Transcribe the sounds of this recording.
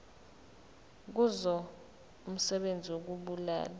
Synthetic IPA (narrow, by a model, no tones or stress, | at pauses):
k̬uzɔ | um̩sɛɓend͡zʱiwok̬uɓula̰ːla